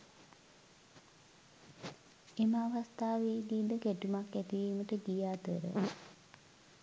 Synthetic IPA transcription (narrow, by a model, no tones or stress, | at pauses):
eməaʋast̪aːʋeɡiːd̪əkæʈumakːæt̪iʋiːməʈəɡijaːt̪əɾə̰